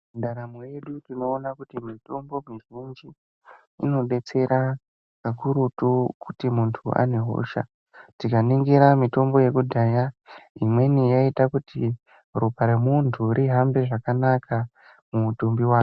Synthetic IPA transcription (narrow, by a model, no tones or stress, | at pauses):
ndaɾamoje̞ɗutino̞ːnakutimito̞mbo̞miʒind͡ʒḭː | no̞ɓe̞t͡se̞ɾa | kakuɾutukutimuntʰua̰ne̞ɦo̰ʃa̰ | tikaniŋɡiɾamito̞mbo̞je̞kudʱajaimwe̞nijaitakuti | rupaɾemuntʰuɾiɦambe̞ʐakanaka | mutumbiwaːku